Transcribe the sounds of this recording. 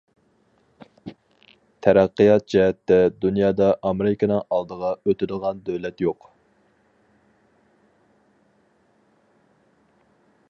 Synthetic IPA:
t̪ʰæɾæqːəjɑt̪̚d͡ʒɛɦɛt̪ːɛd̪unjɑːd̪ɑʔɑmeɾɪkʲʰɑnɨŋɑlˠd̪əʁɑøt̪ɪɾɪlˠʁɑnd̪ølɛt̪joq

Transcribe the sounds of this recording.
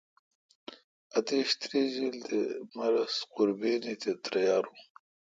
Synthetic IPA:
ɐt̪eɕt̪ɾiːzild̪emɐɾɐsqʊɾbeːnit̪ʰet̪ɾɐjaːɾu

